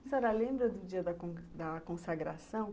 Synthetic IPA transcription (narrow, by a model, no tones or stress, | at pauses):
isɛɾalẽmbɾɐd̪ʊd͡ʒiɐd̪ɐkõd̪ɐkõsaɡɾasɐ̃w̃